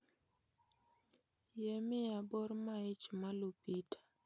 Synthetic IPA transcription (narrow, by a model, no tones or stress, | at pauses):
jemɪabɔɾmaɪt͡ʃmalupitḁ